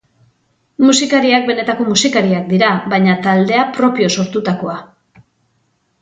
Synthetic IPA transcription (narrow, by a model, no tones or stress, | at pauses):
musikaɾiak̚be̞ne̞t̪ako̞musikaɾiak̚d̪iɾaβajɲat̪ald̪e̞apɾo̞pio̞so̞ɾt̪ut̪ako̞a